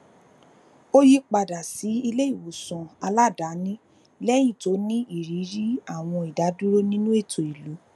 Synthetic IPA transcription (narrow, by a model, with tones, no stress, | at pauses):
o˦ji˦k͡pa˧da˨si˨˦i˧le˦i˦˨wo˨sɔ̃˨a˧la˦˨da˨˦nĩ˦ | lɛ˦j̃ĩ˦˨to˨˦nĩ˦ʔi˦˨ɾi˨˦ɾi˦a˦˨w̃ɔ̃˧i˨da˨˦du˦ɾo˦nĩ˦nũ˦e˦˨to˨i˨lu˨˦